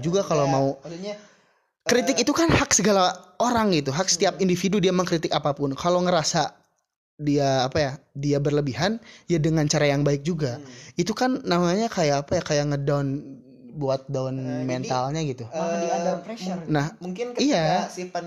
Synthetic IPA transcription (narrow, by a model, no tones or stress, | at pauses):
d͡ʒuɡakalomau | kkɾit̪ɪkit̪ukanhaksəɡalaoɾaŋɡit̪uɦak̚sə̥t̪iapindifidudiamaŋkɾit̪ɪkapapʊnkʰaloŋəɾasa | diaːpajadiabərləbiɦanjadəŋant͡ʃaɾajaŋbaɪk̚d͡ʒuɡait̪ukanːamaɲakajaːpajakajaŋədaʊn | buat̪̚daɔnmɛnt̪alɲaɡit̪uiaapɾɛʃnahmukɪnijaia